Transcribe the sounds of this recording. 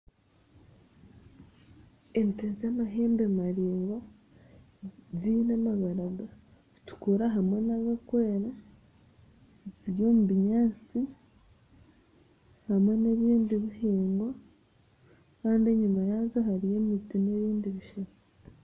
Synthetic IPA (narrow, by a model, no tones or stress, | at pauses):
enitezamaɦe̞ːmbemaɾiːŋɡa | zinamaβaɾaɡa | tu̥kuɾaɦamwe̞naβakwe̞ːɾa | ziɾjo̞ːmuβiɲaːt͡si | hamwe̞neβiːndiβihiːŋɡwa | kaːndeɲumajaːzoɦaɾije̞mitine̞βiːndiβiʃeɾo